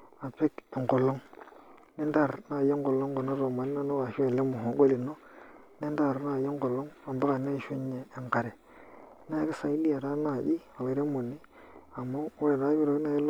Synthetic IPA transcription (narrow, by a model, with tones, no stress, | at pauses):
a˨pe˦ke˨ŋɡo˨lo˦ŋ | ne˦da˦˨ɾna˦˨je˦ŋɡo˨lo˦ŋɡo˨no˦ɾo˨ma˨n˦na˦no˦wa˨ʃu˦e˨le˦mu˨ɦo˨˦ɡo˦li˨no˦ | ne˦n˦da˦˨ɾna˦˨je˦ŋɡo˨lːo˦ŋa˨mba˦ka˨na˦˨ʃu˦ɲeː˨ŋka˨ɾe˨˦ | na˦ki˦sa˨i˦li˦a˨ɾa˦na˦˨ʔi˦ | a˨we˨ɾe˦mu˨nːi˦ | a˨mo˦we˨ɾa˦βi˦ɾo˨˦na˦˨je˦l